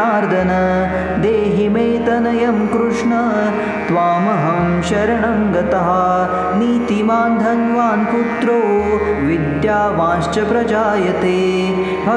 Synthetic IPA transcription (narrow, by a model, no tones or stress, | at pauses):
aːɾd̪ʱɐnɐ | d̪eːɦimeːt̪ɐnɐjɐmkɾuʂɳɐ | t̪ʋaːmɐɦɐm | ʃɐɾɐɳɐmɡɐt̪ɐɦɐ̆ | niːt̪imaːnd̪ʱɐnʋaːnput̪ɾoːʋid̪jaːʋãːʃt͡ʃɐpɾɐd͡ʒaːjɐt̪eː | bʱɐ